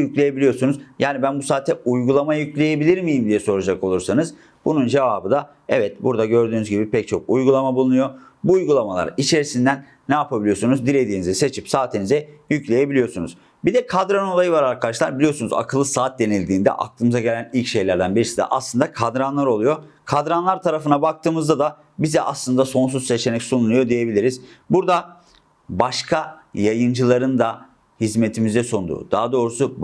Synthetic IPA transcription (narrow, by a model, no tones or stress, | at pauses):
jycʲlʲe̞je̞bilʲijo̞sunuzjaːnibænbusaːt̪ʰːɛujɡulˠamajajyclʲe̞je̞bilʲiɾmijimd̪ijɛso̞ɾud͡ʒako̞lˠuɾsanɯz | bunund͡ʒe̞vaːbɯd̪a | ɛvɛt̪̚buɾd̪aɟø̞ɾd̪yːnyzɟibipʰɛc̚t͡ʃʰo̞̰k̚ujɡulˠamabulˠunujo̞ | buːjɡulˠamalˠa̰ɾit͡ʃʰe̞ɾisind̪ænːajapʰabilʲijosunuzd̪ilʲe̞d̪iːnizɛse̞t͡ʃʰipsaːt̪ʰinizɛjyclʲe̞je̞bilʲijo̞sunuz | bid̪ɛkʰad̪ɾano̞lˠajɯvaɾaɾkʰad̪aʃlˠaɾbilʲijo̞sunuza̰kʰɯlˠːɯsaːt̪̚d̪e̞nilʲd̪iːnd̪ɛ̰ʔa̰k̚t̪ʰɯːmɯzaɟe̞lʲænilʲcʃe̞jlʲæɾd̪ænbiɾisid̪ɛ̰ʔa̰slˠɯnd̪akʰad̪ɾanlˠaɾo̞lˠujo̞kʰad̪ɾanlˠaɾt̪ʰaɾafɯnabak̚t̪ʰɯːmɯzd̪ad̪a | bizɛʔaslˠɯnd̪aso̞ns̬uz̥se̞t͡ʃʰe̞nɛcsonulˠujo̞d̪ije̞bilʲiɾiz̥buɾd̪a | baʃkʰajajɯnd͡ʒɯlˠaɾɯnd̪a | hizme̞t̪ʰimizd̪ɛsond̪ṵːd̪̥aɦad̪o̞ːɾusu